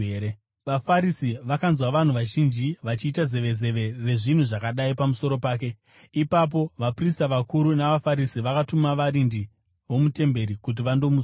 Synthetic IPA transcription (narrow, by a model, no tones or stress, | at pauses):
e | ʋafaɾisiʋakanzwaʋan̤uʋaʒind͡ʒiʋat͡ʃiːtaze̞ʋeze̞ʋe̞re̞ʐin̤uʐakaɗaipamuso̞ɾo̞paːk̬e̞ | ipap̬o̞ʋapristaʋakuɾunaʋafaɾisiʋakatumaʋaɾindi | ʋo̞mute̞mbe̞ɾikut̬iʋando̞mus